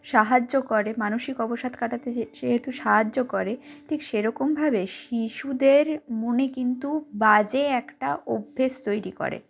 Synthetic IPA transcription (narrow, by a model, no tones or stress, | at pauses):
ʃaɦad͡ʑːokɔɾemanoʃikɔboʃad̪kaʈat̪ed͡ʑeʃeɦet̪uʃaɦad͡ʑːokɔɾeʈʰikʃeɾɔkombʱabeʃiʃud̪eɾmonekint̪ubad͡ʑeɛkʈaʔobʱːest̪ojɾiko̰ɾḛ